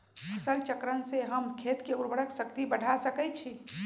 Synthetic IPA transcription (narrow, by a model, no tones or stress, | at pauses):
əsəlt͡ʃəkɾənseɦəmkʰet̪keuɾbəɽəksəkt̪ibəɽ̤ʱasəkət͡ʃʰi